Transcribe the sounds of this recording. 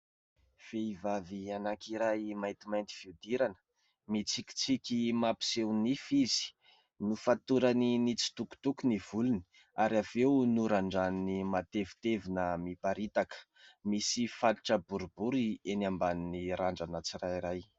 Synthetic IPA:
v̥eivavianakiɾajmajnt̪imajnt̪i̥fiud̪iɾanə̥ | mit͡siki̥t͡sikʲimapi̥sewnifizi̥ | nufat̪uɾaninit͡si̥t̪uku̥t̪ukuniv̥uluni | aɾiavewnuɾaɳɖ͡ʐannimat̪evi̥t̪evinəmipaɾit̪akə̥ | misifaliʈ͡ʂəbuɾubuɾienambaniniɾaɳɖ͡ʐanət͡sirajiɾaj

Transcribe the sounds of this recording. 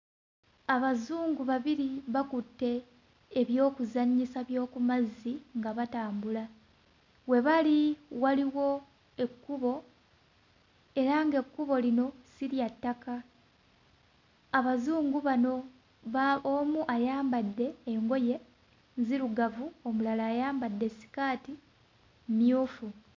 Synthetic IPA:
aβazuːŋɡuβaβiɾiβakutːe̞ː | βjo̞ːkuzaɲːisaβjo̞ːkumazːiŋɡaβataːmbula | we̞βaliwaliwo̞ | e̞kːuβo̞ | e̞ɾaŋɡe̞kːuβo̞lino̞siɾjatːaka | βazuːŋɡuβano̞ | βaomuʔajaːmbadːe̞ːŋɡo̞je̞ | nziɾuɡavuo̞mulalaːjaːmbadːe̞si̥kaːti | mjuːfu

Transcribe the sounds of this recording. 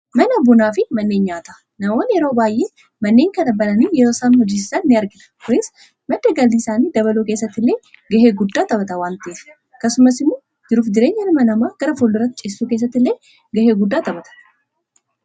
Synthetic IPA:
mɐnɐbʊnaːfɪmɐnːeːɲɲaːt̪ɐ̥ | nɐmo̞ːnjɛɾoːbaːjʔeː | mɐnːe̞ːŋkɐnɐbɐlɐniːjɛɾo̞ːsaːnhɔd͡ʒɪsɪsɐnːɪɐɾɡɪnɐ̥kʊjɪs | mɐd̪ːɐɡɐld̪ɪsaːniːd̪ɐbɐluːke̞ːsːɐt̪ːɪlːe̞ː | ɡɐɦeːɡʊd̪ːaːt̪ɐbɐt̪ɐwaːnt̪eːs | kɐsʊmɐsɪmːu | d͡ʒɪɾuːfd͡ʒ̪ɪɾe̞ːɲːɐnɐmɐnɐmaːɡ̥ɐɾɐfolːʊrːɐt̪ːɪt͡ʃʼessːuːkeːs̬ːɐt̪ːɪlːeː | ɡɐheːɡʊd̪ːaːt̪ɐbɐt̪ɐ̥

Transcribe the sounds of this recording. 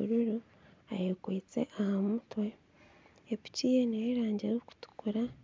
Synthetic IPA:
uɾuɾu | a̰jokwiːt͡sḛʔahamutwe̞ː | pi̥ciːjenejeɾaːɲɟeɾoku̥tu̥kuɾa

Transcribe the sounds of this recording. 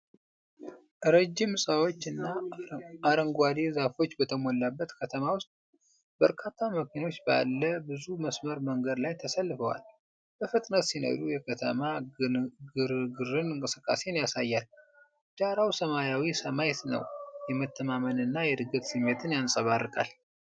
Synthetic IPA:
ʔɾəd͡ʒːimsʼəwo̞t͡ʃːɨnːaː | ɾəŋɡʷad̪ezafo̞t͡ʃːbət̪ʰəmo̞lːabːət̪kʰət̪ʰəmawʊst̪ʼ | bəɾkʰat̪ʰːaməkʰino̞t͡ʃːba̰lːəbɨzuməsməɾməŋɡəd̪lajt̪ʰəsəlːɨfəwa̰l | b̥əfɨt̪ʼnət̪sino̰d̪ujɛkʰət̪ʰə̰ma | ɡɨɾɡɨrɨnɨŋkʼɨsɨkʼːa̰se̞njasajːal | d͡ʒʼaɾawsəmaɾjawisəmajt̪nə̰wjɛmət̪ʰːəmamənɨnːajɛd̪ɨɡət̪simet̪ʰɨnjansʼəβarːɨkʼa̰l

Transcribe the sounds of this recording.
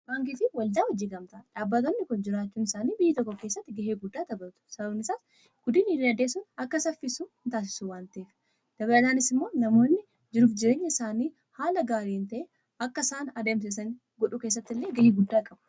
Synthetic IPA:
baːŋkitɪwɐld̪aːwɔd͡ʒiːɡɐmt̪ɐᶑaːbːɐt̪onːɪkʊnd͡ʒɪɾaːt͡ʃːuːnɪsaːniːbɪjːɐt̪ɔkːɔke̞ːsːɐt̪ːɪɡɐɦeːɡʊd̪ːaːd̪ɐbɐt̪ʊ̥sɐbɐbnɪsaːs | ɡ̥ʊd̪iːnɪriːɐd̪eːsʊnɐkːɐsɐfːɪsuːnt̪aːs̬ɪ̥suwaːnt̪ɐʔeːf | d̪̥ɐbɐɐlaːnɪsɪmːo̞ːnɐmo̞ːnːɪ | d͡ʒɪɾuːfd͡ʒɪɾe̞ːɲːɐɪsaːniː | haːlɐɡaːɾiːnt̪ɐʔeː | ɐkːɐsaːnɐd̪ems̬ɛsɐn | ɡɔᶑʊke̞ːs̬ːɐt̪ːɪlːeːɡɐheːɡʊd̪ːaːkʼɐbɐ̥

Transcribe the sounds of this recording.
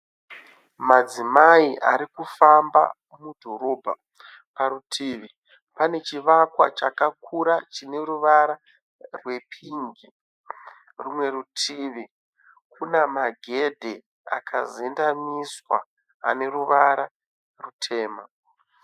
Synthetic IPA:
mad͡zimaiʔaɾikufamba̰ | mudʱo̞ɾo̞ːbʱa̰ | paɾutʰiːʋi | pane̞t͡ʃiʋakwat͡ʃakakʰuɾat͡ʃine̞ɾuʋaɾa | rwe̞pʰiŋɡi | rumwe̞rutʰiːʋi | kunamaɡʱe̞dʱe | a̰kʰa̰zendamiswa̰ː | ne̞ɾuʋaɾa | rutʰe̞ːma

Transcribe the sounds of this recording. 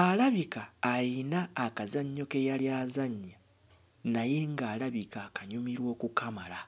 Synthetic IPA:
alaβikaːjinaːkazaɲːo̞ke̞jaljaːzaɲːa | naje̞ŋɡaːlaβikakaɲumiɾwo̞ːkukamala

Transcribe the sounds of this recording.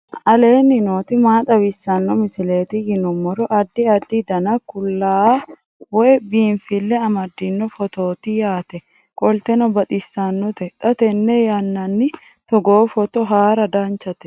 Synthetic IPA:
ʔɐleːnːɪnoːt̪ɪmaːt̪ʼɐwɪsːɐnːɔmɪsɪle̞ːt̪ɪɡɪnʊmːɔɾɔʔɐd̪ːɪɐd̪ːɪd̪ɐnɐkʊlːaː | wɔjbiːnfɪlːɛɐmɐd̪ːɪnːɔfɔt̪o̞ːt̪ɪjaːt̪ɛ | kʼɔlt̪ɛnɔbɐt̪ʼɪsːanːɔt̪ɛᶑɐt̪ɛnːɛjanːɐnːɪ | t̪ɔɡoːfɔt̪ɔɦaːɾɐd̪aːnt͡ʃɐt̪ɛ̥

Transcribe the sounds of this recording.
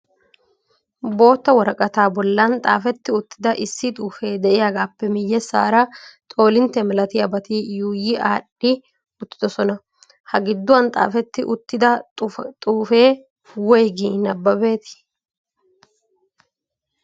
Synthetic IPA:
bo̞ːt̪ːɐwɔɾɐkʼɐt̪aːbɔlːɐnt̪ʼa̰ːfɛt̪ːɪʊt̪ːɪd̪ɐʔɪsːɪt̪ʼuːfe̞ːd̪ɛʔɪjaɡaːpːɛmɪjːɛsːa̰ːɾɐt̪ʼo̞ːlɪnt̪ːɛmɛlɐt̪ɪjɐbɐt̪ijuːjɪʔaːᶑɪ | ʊt̪ːɪ̥d̪ɔsɔnɐ | hɐɡɪd̪ːʊwɐnt̪ʼa̰ːfɛt̪ːɪʔʊt̪ːɪd̪ɐt̪ʼuːfe̞ː | wɔjɡinɐbːɐbe̞ːt̪ɪ̥

